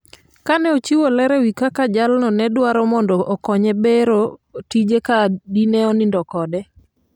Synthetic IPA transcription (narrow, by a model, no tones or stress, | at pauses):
kanɛot͡ʃiwolɛɾɛwikakad͡ʒalnɔnɛdwaɾɔmɔndɔʔɔkɔɲɛbeɾotid͡ʒekadinɛɔnindɔkɔdɛ